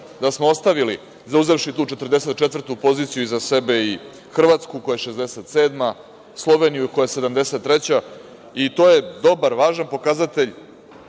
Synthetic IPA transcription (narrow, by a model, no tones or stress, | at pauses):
d̪asmoost̪aʋili | zauze̞fʃit̪uːt͡ʃet̪rd̪e̞se̞t̪̚t͡ʃet̪ʋvr̩t̪upo̞ziːt̪sijuizase̞be̞i | xr̩ʋat̪skuko̞jeʃezd̪ese̞t̪se̞ːd̪ma | slˠo̞ʋe̞nijuko̞jese̞d̪amd̪e̞se̞t̪ːɾe̞t͡ɕa | it̪o̞ːje̞d̪o̞baɾʋaːʒanpo̞kazat̪e̞ʎʲ